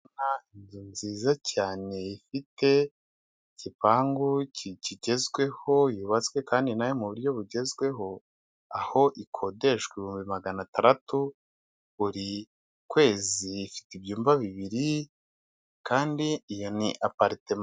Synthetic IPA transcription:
nainzunziːzacaːne̞ifite̞ | cipaːŋɡuciciɟe̞zɡwe̞ho̞juːβat͡swe̞kaːndinajomuβuɾjo̞βuɟe̞zɡwe̞ɦo̞ | aho̞ʔikʰo̞de̞ʃweiβihuːmbimaɡanataɾatu | βuɾi | kwe̞ːziːfi̥tibjuːmbaβiβiɾi | kaːndiːjo̞niʔapaɾitem

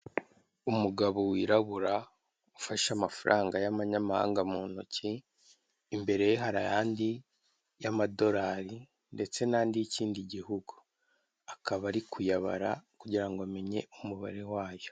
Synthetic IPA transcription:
umuɡaβo̞wiɾaβuɾa | ufaʃamafaɾʔaːŋɡajamaɲamaha̰ːŋɡamuːnociː | mbe̞ɾe̞jeɦaɾa̰jaːndi | jamado̞ɾaːɾi | nde̞t͡se̞naːndijiciːndiɟihuɡu | akʰaβaɾikʰujaβa̰ɾa̰kuɟiɾaŋɡoame̞ɲe̞̰umuβa̰ɾe̞waːjo̞

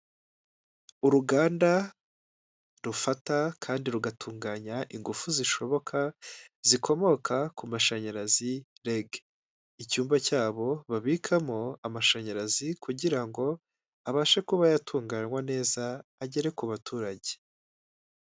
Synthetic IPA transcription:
uɾuɡaːnda | ɾufatakʰaːndiɾuɡatʰuːŋɡaːɲaʔiŋɡufuziʃo̞βo̞kʰa | zikʰo̞mo̞kʰakumaʃaɲaɾazi | ɾeɡ | icuːmbacaːβo̞βaβiːkʰamo̞amaʃaɲaɾazikʰuɟiɾaŋɡo̞ | aβaʃekuβajatʰuːŋɡaːɲwane̞ːzaːɟe̞ɾe̞kuβatuːɾaɟe̞̥

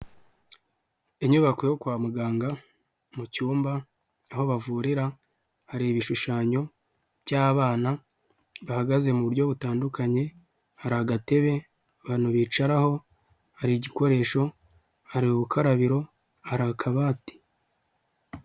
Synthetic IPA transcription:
eɲuβakwejokwaːmuɡaːŋɡa | mucuːmbaː | ho̞βavuːɾiɾa | haɾiβiʃuʃaːɲo̞ | bjaːβaːna | βahaɡaze̞muβuɾɟo̞βutaːndukaɲe̞ | haɾaɡate̞βe̞ | βan̥uβiːt͡ʃaɾaho̞ | haɾiɟiko̞ɾe̞ːʃo̞ | haɾiuβukʰaɾaβiɾo̞ | haɾakʰaβaːti̥

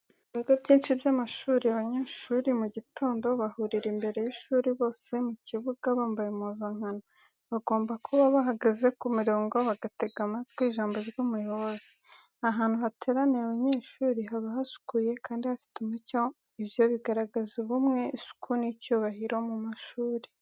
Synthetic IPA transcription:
ɡaɡobjiːnʃibjamaʃuːɾiaβaɲaʃuːɾimuɟitʰo̞ːndo̞βahuɾiɾimbe̞ɾe̞jiʃuːɾiβo̞ːse̞muciβuɡaβaːmbajemuzaŋ̥ano | βaɡo̞ːmbakʰoβaβaɦaɡaze̞kumiɾoːŋɡo̞βaɡate̞ɡamatkwiːʒaːmbo̞ɾjumujo̞βo̞zi | aɦaːn̥huhatʰe̞ɾaneaβaɲe̞ːʃuːɾiɦaβaɦasu̥kuje̞kaːndihafi̥tumuco̞ | iβjo̞βiɡaɾaɡazuβumŋe̞ʔisu̥kʰunicuːβahiɾo̞mumaʃuːɾi

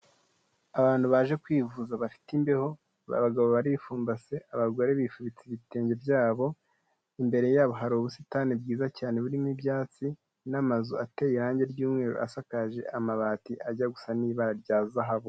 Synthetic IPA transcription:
aβaːn̥duβaʒe̞kwiːvuzaβafi̥timbeho̞ | βa̰βaɡaβoβaɾifuːmbase̞ʔaβaɡo̞ɾe̞βifuβit͡siβite̞ːɲɟe̞bɟaːβo̞ | imbe̞ɾe̞jaːβo̞ɦaɾiuβusitaːnib̚ɡiːzacaːneβuɾimŋibɟaːt͡si | namazuatejiɾaːɲɟe̞ɾɟuːmŋe̞ːɾo̰ʔa̰sakaʒe̞ʔamaβatiʔaɟaɡusaniːβaɾaɾɟaːzaɦaβo

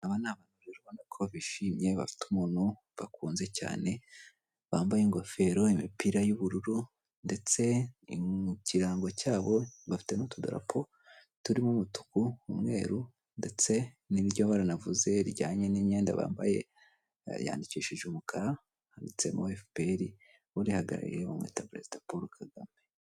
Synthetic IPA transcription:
aβanaːβanuβɾaɾiβonakʰoβiʃiːmɲe̞βa̰fi̥tumuːnhu | βakuːnze̞ca̰ːne̞ | βaːmbajeŋɡo̞fe̞ɾo̞imipiɾajuβuɾuɾu | nde̞t͡se̞ | ciɾaːŋɡocaːβo̞βafi̥tenotudṵɾʔa̰pʰo | tuɾimumutu̥kuumŋe̞ːɾu | nde̞t͡se̞ | niiɾjoβaɾanavuze̞ɾɟaːɲe̞niɲe̞ːnda̰βa̰ːmba̰je̞̰ | ja̰ːndiciʃiʒumukʰaɾa | handit͡se̞moefpeɾi | uɾihaɡa̰ɾa̰ɾḭiɾeβamŋwḛːtapɾe̞̰zidapoɾukʰaɡame

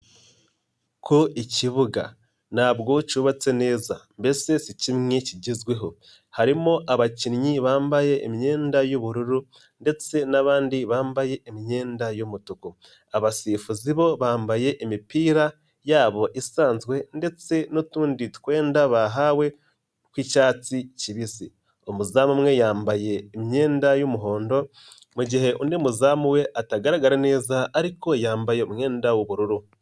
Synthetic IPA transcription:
kʰoiciβuɡa̰ | naːβɡo̞cuːβat͡se̞ne̞ːzambe̞se̞sicimŋe̞ciɟizɡwe̞ɦo̞ | haɾimoʔaβacinɲiβaːmbaje̞ːmiɲe̞ːndajoβuɾuɾu | nde̞t͡se̞naβaːndiβaːmbaje̞ʔːmiɲe̞ːndajomutuko | aβasiːfuziβo̞βaːmbaje̞ʔimipiːɾa | jaːβo̞ʔisaːnzɡwe̞nde̞t͡se̞notuːnditu̥kwe̞ːndaβaɦawe̞ | kwicaːt͡siciβisi | omuzaːmumŋe̞jaːmbaje̞ːmɲe̞ːndajomuɦo̞ːndo̞ | muɟihe̞ʔundimuzaːmuwe̞ʔataɡaɾaɡaɾane̞ːzaːɾiko̞jaːmbaje̞omɲe̞ːndawoβuɾuɾu

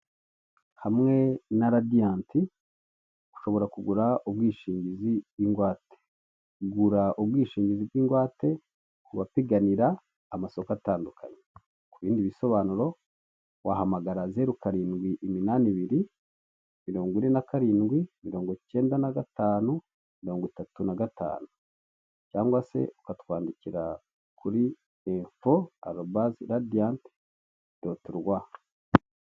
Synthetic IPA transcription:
hamŋe̞naɾadijaːnti | ɡ̥u̥ʃo̞βo̞ɾakuɡuɾaobɡiːʃiːɲɟizijiːŋɡwaːte̥ | ɡuɾaʔobɡwiːʃiːɲɟizibɡiːŋɡwaːte̞ | kuβapiɡaniɾaː | maso̞kataːndukʰa̰ɲe | kuβiːndiβiso̞βaːnuɾo̞ | wahamaɡaɾazeɾukaɾiːnɡwiʔiminaniβiɾi | miɾo̞ːŋɡininakaɾiːnɡwimiɾo̞ːŋɡo̞ce̞ːndanaɡataːnu | miɾo̞ːŋɡitatunaɡata̰ːnu | caːŋɡwase̞̰ukatu̥kwaːndiciɾa | kʰuɾi | eɱfoa̰ɾobaziɾadijant | dotuɾɡwa

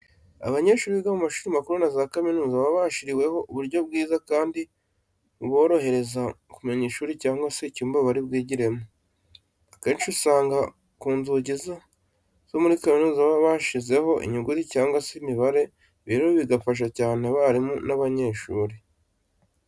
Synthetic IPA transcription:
a̰βaɲe̞ːʃuːɾiβiɡamumaʃuːɾimakuɾunazakaminuːzaβaβaʃiɾiwe̞ho̞ʔuβuɾɟo̞b̚ɡiːzakaːndi | βo̞ːɾo̞he̞ɾe̞zakumeɲiʃuːɾicaːŋɡwase̞cuːmbaβaɾibɡiːɟiɾe̞mo | keːnʃusaːŋɡa | kuːnzuɟiza | z̥o̞muɾikaminuːzaβaβaʃize̞ho̞ʔḭɲuɡuɾicaːŋɡwaseimiβaɾe̞ | βiɾioβiɡafaʃ̬acaːne̞βaɾimunaβaɲe̞ːʃuːɾi

